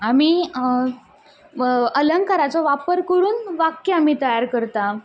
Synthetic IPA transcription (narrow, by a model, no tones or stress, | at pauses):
ami | ələŋkaɾat͡sɔʋapəɾkəɾuːnʋakjəamiːt̪əjaɾkəɾt̪a